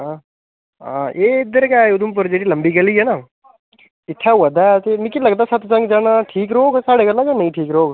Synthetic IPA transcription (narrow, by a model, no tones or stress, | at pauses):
a | ɦa̰ʔeɪd̪əɾkaːʊd̪ump̬ɐɾd͡ʒeʈilɐmbiːɡɐliɦɛːnaː | ɪt̪ʰːaʋɐd̪at̪emikilɐɡt̪̬aːsɐt̪t͡ʃɐ̃ŋɡd͡ʒaːnaʈʰiːkɾoːɡsaːɽekɐlaɡanɐĩʈʰiːkɾoːɡ